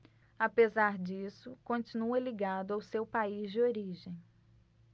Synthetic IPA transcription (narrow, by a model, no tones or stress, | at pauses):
apezaɾd͡ʒisʊkõt͡ʃinuɐliɡad̪ʊawsewpaizd͡ʒɪoɾiʒẽj̃